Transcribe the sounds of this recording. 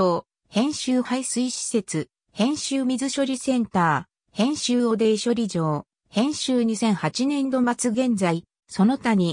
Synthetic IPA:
oː | hẽ̞ɰ̃ɕɨːhaisɨiɕi̥se̞t͡sɨ | hẽ̞ɰ̃ɕɨːmʲizɨɕo̞ɾʲisẽ̞nt̪aː | hẽ̞ɰ̃ɕɨːo̞d̪eːɕo̞ɾʲiʑo̞ː | hẽ̞ɰ̃ɕɨːɲ̟isẽ̞ɰ̃hat͡ɕinẽ̞nd̪o̞mat͡sɨɡẽ̞nd͡zai | so̞no̞t̪amʲi

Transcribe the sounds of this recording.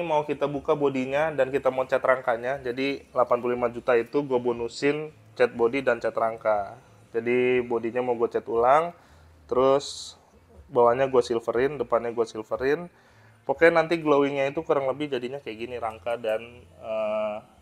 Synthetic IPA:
maukit̪abukabodiɲadankit̪amaut͡ʃɛt̪ɾaŋkaɲad͡ʒadilapanpululimad͡ʒut̪ait̪uɡuabonusɪn | t͡ʃɛt̪̚bodidant͡ʃɛt̪ɾaŋka | d͡ʒadibodiɲamauɡuat͡ʃɛt̪ulaŋ | t̪əɾʊs | bawaɲaɡuasilfəɾɪndəpanɲaɡuasilfəɾɪn | pakanːant̪iɡlowɪŋɲait̪ukuɾaŋləbɪhd͡ʒadiɲakajaɡiniɾaŋkadanə

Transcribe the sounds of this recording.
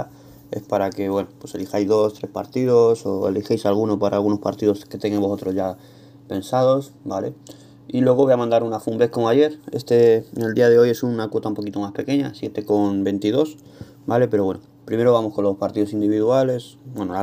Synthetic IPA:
e̞̰spaɾake̞βwe̞nopwo̞se̞lixajzðo̞st̪ɾe̞spa̰ɾt̪iðo̞so̞ḛlixejsalɣ̞uno̞paɾa̰ːlɣuno̞spa̰ɾt̪iðo̞ske̞t̪eŋɡembso̞t̪ɾo̞zʝa | pe̞nsað̞o̞s | bale̞̰ | ilwe̞ɣ̞o̞βojamãnd̪aɾunafumbe̞hko̞moaʝe̞ɾe̞st̪e̞ŋe̞ld̪iaðe̞o̞je̞sunakwo̞t̪aumpo̞kit̪o̞maspe̞ke̞ɲa̰sje̞t̪e̞ko̞nbe̞nt̪ið̞o̞s | bale̞pe̞ɾo̞βe̞no | pɾime̞ɾoβamo̞sko̞nlo̞spaɾt̪iðoind̪iβiðuale̞sbweno

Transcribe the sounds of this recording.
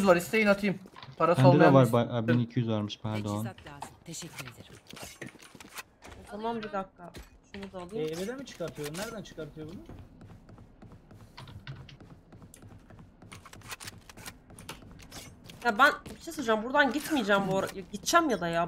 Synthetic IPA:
zlˠaɾist̪ʰejinat̪ʰɯjɯmpʰaɾasaolɛd̪ɛvaɾbaabinicʰijyzvaɾmɯʃpæɾd̪oanː | e | ozamanbid̪akːaʃunud̪aːlˠɯjɛeved̪æmit͡ʃʰɯ̥kaɾt̪ʰɯjoumnæɾd̪ænt͡ʃʰɯ̥kaɾt̪ʰɯjobunu | jabænbiʃesod͡ʒambuɾd̪anɟit̪mijd͡ʒaːmbuɾajaɟit̪t͡ʃʰæmjad̪aja

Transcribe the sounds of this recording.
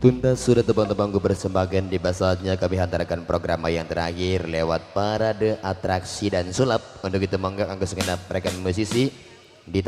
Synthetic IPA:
t̪unt̪asudat̪əpaŋt̪əpaŋɡupərsəmbakandibasaɲakamɪɦant̪aɾakanpɾoɡɾamajaŋt̪əɾahɪrlewat̪̚paɾadəʔat̪ɾaksidansulap̚unt̪ʊkit̪aməŋɡakaŋkasəŋənap̚ɾekanmus̬isi | dit̪

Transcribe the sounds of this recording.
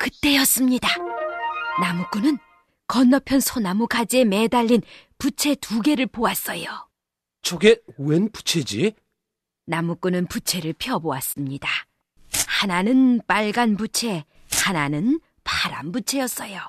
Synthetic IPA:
kɯt͈e̞jʌs͈ɯmɲida | namuk͈unɯn | kʌnːʌpʰjʌnsʰonamukad͡ʑie̞me̞daʎːinput͡ɕʰe̞tuɡe̞ɾɯɭpowas͈ʌjo | t͡ɕʰoɡe̞wenpu̥t͡ɕʰe̞d͡ʑi | namuk͈unɯnput͡ɕʰe̞ɾɯɭpʰjʌboas͈ɯmɲida | hananɯnp͈aɭɡanbut͡ɕʰe̞ | hananɯn | pʰaɾa̰nbut͡ɕʰe̞jʌs͈ʌjo

